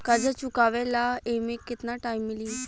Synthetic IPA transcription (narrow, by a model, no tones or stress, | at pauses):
kəd͡ʒət͡ʃukaʋelaemĩkɪt̪naʈaimːɪlĩ